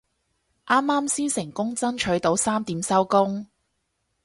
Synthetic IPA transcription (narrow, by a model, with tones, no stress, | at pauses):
ʔaː˥mːaː˥msiː˥nsɪ˨˩ŋkʊ˥ŋt͡sɐ˥nt͡ʃʰɵ˨˥ɥt̪o˨˥wsaː˥mt̪iː˨˥msɐ˥wkʊ˥ŋ